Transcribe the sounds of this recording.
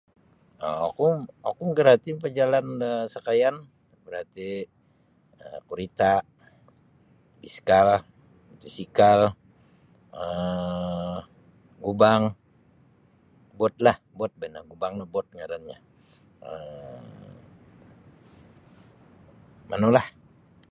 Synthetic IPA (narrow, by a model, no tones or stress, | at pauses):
ə̰o̰kuɔkuɡəɾat̪ipəd͡ʒalanəsakajan | bəɾat̪i | əkuɾit̪a | biskal | t̪isikal | ə | ɡubaŋ | bɔt̪̚lah | bɔt̪̚bɛnaɡubaŋnobɔt̪̚ŋaɾanɲa̰ | ə | ma̰nolah